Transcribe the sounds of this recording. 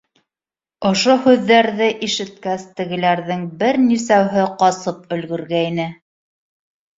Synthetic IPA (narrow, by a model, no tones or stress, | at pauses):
ŏʃohʉðːæɾðɘʔiʃɘ̆t̪̚kæst̪ɘ̆ɣɘ̆læɾðɘŋbɘɾnis̬æwɦɘqɑsɤp̚ɵ̆lɡɵ̆ɾɡæinɘ